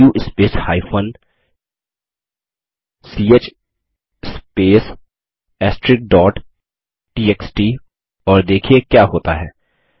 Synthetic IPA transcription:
uːʔɪspeːshaːɪfʰən | siːeːt͡ʃ | speːs | ɛːsʈɾɪk̚ɖɔːʈ | ʈiːeːksʈiː | ɔːɾd̪eːkʰiekjaːɦoːt̪aɦɛː

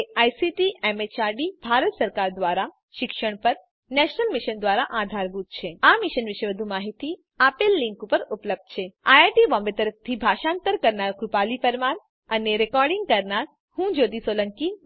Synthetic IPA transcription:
eajsiʈiemet͡ʃaɾɖibʱaɾət̪səɾkaɾd̪ʋaɾa | ʃɪkʃəɳpəɾ | nɛʃnəlmɪʃənd̪ʋaɾaʔad̪ʱaɾbut̪̚t͡ʃʰeamɪʃənʋɪʃeʋəd̪ʱumaɦit̪i | apelːɪŋkupəɾupləb̚d̪̚t͡ʃʰeaaʈibɔ̃mbet̪əɾəf̚ʰt̪ʰibʱaʃãnt̪əɾkəɾnaɾkɾupalipəɾmaɾ | əneɾekɔɾɖɪ̃ŋɡ̚kəɾnaɾ | hũd͡ʒod̪isoləŋki

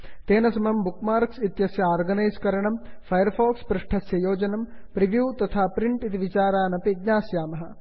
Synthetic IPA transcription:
t̪eːnɐsɐmɐmbukmaːɾksit̪jɐsjɐaːɾɡɐnɐjskɐɾɐɳɐmfʰɐjɐɾfoːkspɾɐʂʈʰɐsjɐjoːd͡ʒɐnɐmpɾiʋjuːt̪ɐt̪ʰaːpɾiɳʈit̪iʋit͡ʃaːɾaːnɐped̪ɲaːsjaːmɐɦɐ

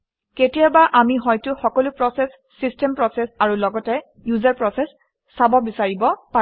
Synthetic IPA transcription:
ketijabaʔamiɦɔjtʊxɔkɔlʊpɹɔsɛsːistɛmpɹɔsɛsaɹulɔɡɔtɛ | juzaɹpɹɔsɛsː | abɔbisaɹibɔpa

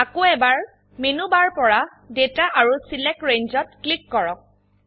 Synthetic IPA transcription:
akoɛbaɹ | menubaɹpɔɹa | detaʔaɹusilɛk̚kɹeɲzɔt̚klikːɔɹɔk̚

